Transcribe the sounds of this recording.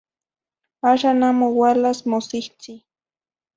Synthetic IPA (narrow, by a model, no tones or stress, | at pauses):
aʃanamowalasmosɪht͡si